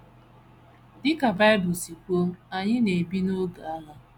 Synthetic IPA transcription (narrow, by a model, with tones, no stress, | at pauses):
dɪ˦ka˨ba˦ɪ˦bʊ˨si˨ko˦m̩˦a˨ɲɪ˦ne˨bi˦no˦ɡa˨a˦ɦa˦